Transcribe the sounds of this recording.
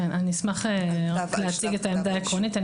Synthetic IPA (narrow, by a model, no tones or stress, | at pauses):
enaninismaχeʁakleat͡siɡetaemd̪aːekʁonitan